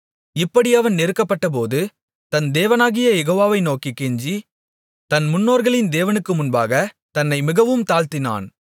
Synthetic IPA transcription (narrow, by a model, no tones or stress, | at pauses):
ɪpːɐɽiɐʋɐnnɪɾɯkːɐpːɐʈːɐp̬oːðɯ | t̪ɐnd̪eːʋɐnaːɣɪjɐjɛɣoːʋaːʋɐɪnoːkikːeɲd͡ʒi | t̪ɐnmʊnːoːɾɣɐɭɪnd̪eːʋɐnɯkːɯmʊnba̰ːɣɐ | t̪ɐnːɐɪmɪɣɐʋɯmt̪aːlt̪ɪna̰ːn